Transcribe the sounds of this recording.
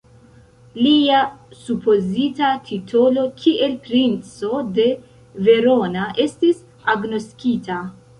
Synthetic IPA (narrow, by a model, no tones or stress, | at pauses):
liasupo̞zitatʰitʰo̞lo̞kʰiʔe̞lpɾint͡so̞de̞ | ve̞ɾo̞naʔe̞stis | aɡno̞skita